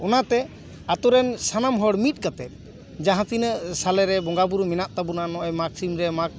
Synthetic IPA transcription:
ɔnat̪ɛ | at̪ɔɾɛnsanamɦɔɽmit̪̚ˀkat̪ɛt̪̚ | d͡ʒaɦãt̪inəsalɛɾɛbɔŋɡabuɾmɛnaʔt̪abunanɔʔɔjmaksimɾɛmak̚

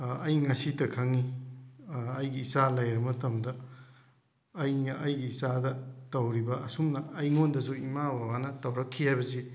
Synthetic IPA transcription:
ɐjŋɐsitɐkʰɐŋi | ɐjɡiːsalɐjɾɐmɐtɐmdɐ | jnɐʔɐjɡiːsadɐtɐwɾibɐːsumnɐːjŋondɐs̬uimawawanɐtɐwɾɐkʰːihajbɐsi

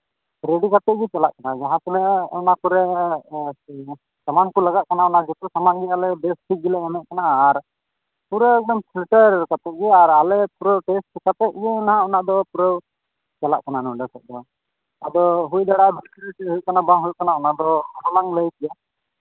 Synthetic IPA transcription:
ɾeɖikat̪ɛʔ̚ɡɛt͡ʃalaʔkanad͡ʒaɦãt̪ɔnɛʔɔnakuɾɛ | samankɔlaɡaʔ̚kanaɔnaʔd͡ʒɔt̪usamanɡɛalɛbɛsʈʰik̚ɡilɛamɛʔ̚kanaːɾ | puɾəɔmpʰilʈəɾkat̪ɛɡɛaɾalɛpuɾəwʈɛsʈt͡ʃɛkap̪ɛʔ̚ɡɛnaɦãɔnaʔd̪ɔpuɾəw | t͡ʃala̰ʔkananɔ̃ɖɛsɛʔ̚d̪ɔ | a̰d̪ɔɦujd̪aɽab̪isɾɛʈɛɦujkanabãɦujkanaɔnaʔd̪ɔɦɔlaŋləjk̪ɛja

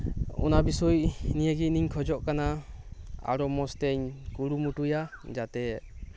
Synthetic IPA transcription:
ɔ̰nabisɔjnijəɡiniɲkʰɔd͡ʒɔʔkana | a̰ɽɔmɔst̪ɛɲkuɽumuʈujad͡ʒat̪ɛ

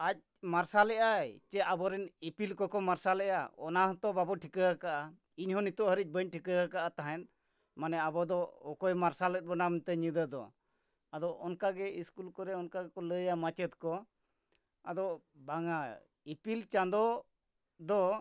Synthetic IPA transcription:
ac̚ | maɾsalɛʔat͡ʃɛabɔɾɛnipilkɔkɔmaɾsalɛʔa̰ɔ̰naɦɔ̃t̪ɔbabɔʈʰikəɦəkaʔa | iɲhɔnit̪ɔʔɦəɾic̚bəɲʈʰikəəkaʔat̪aɦɛn | manɛabɔd̪ɔɔkɔjmaɾsalɛt̪̚bɔnamt̪ɛɲid̪əd̪ɔ̰ | ad̪ɔʔɔnkaɡɛiskulkɔɾɛɔnkaɡɛkɔləjamat͡ʃɛt̪kɔ | ad̪ɔ | baŋa | ipilt͡ʃand̪ɔ | d̪ɔ

